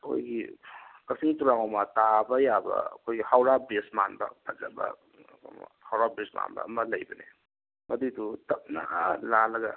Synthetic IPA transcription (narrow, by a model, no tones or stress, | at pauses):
kʰo̰jɡikɐsiŋtuɾaŋawmɐtabɐjabɐ̰kʰojɡihawɾabesmanbɐ̰pʰazabɐ̰ | m̰hawɾabesma̰nbɐ̰ːmɐlɐjbɐne | mɐdidutɐp̚na̰lalɐɡɐ